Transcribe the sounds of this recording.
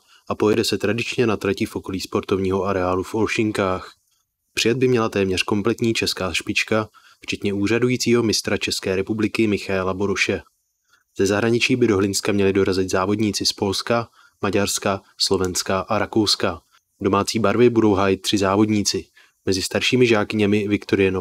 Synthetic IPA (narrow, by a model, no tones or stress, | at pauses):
ʔapo̞jɛdɛsɛt̪ɾadɪt͡ʃɲɛnat̪ɾɛcɪfʔo̞ko̞liːspo̞ɾt̪o̞vɲiːɦo̞aɾɛaːlufʔolʃɪŋkaːx | pr̥ɪjad̪̚bɪmɲɛlat̪ɛːmɲɛr̝̥ko̞mplɛt̪ɲiːt͡ʃɛskaːʃpɪt͡ʃka | ft͡ʃɛt̪ɲɛuːr̝adujiːt͡siːɦo̞mɪst̪ɾat͡ʃɛskɛːɾɛpublɪkɪmɪxaɛlaboɾoʃɛ | z̥ɛzaɦɾaɲɪt͡ʃiːbɪdo̞ɦlɪnskamɲɛlɪdo̞ɾazɪt̪zaːvo̞dɲiːt͡sɪspo̞lska | maɟaɾska | slo̞vɛnskaʔaɾako̞wska | do̞maːt͡siːbaɾvɪbudo̞wɦaːjɪt̪̚t̪ːr̥ɪzaːvo̞dɲiːt͡sɪ | mɛzɪst̪aɾʃiːmɪʒaːkɪɲɛmɪvɪkt̪o̞ɾɪjɛno